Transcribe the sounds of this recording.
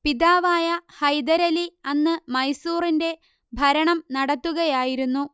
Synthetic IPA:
piðaːʋaːjɐhɐjd̪ɐɾɐliɐnːɨmɐjsuːrinde̞ | bʱɐɾɐɳɐmnɐɽɐt̪ːuɣɐjaːjiɾunːu

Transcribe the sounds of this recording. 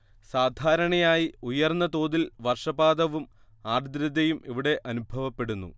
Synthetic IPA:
saːd̪ʱaːɾɐɳɐjaːjiujɐrnːɐt̪o̞ːðilʋɐrʂɐbaːd̪ɐʋum | aːrd̪ɾɐd̪ɐjumiʋiɽe̞ʔɐnubʱɐʋɐpːe̞ɽunːṵ

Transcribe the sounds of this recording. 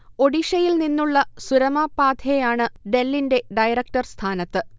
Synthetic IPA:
o̞ɽiʂɐjilninːuɭːɐsuɾɐmaːpaːd̪ʱjejaːɳɨɖe̞lːinde̞ɖɐjɾɐk̚ʈɐrst̪ʰaːnɐt̪ːɨ

